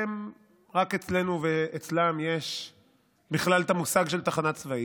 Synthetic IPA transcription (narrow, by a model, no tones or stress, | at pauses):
em | ʁake̞t͡sle̞nuveet͡slamje̞ʃ | biχlalt̪amusaɡʃe̞lt̪aχanat͡svai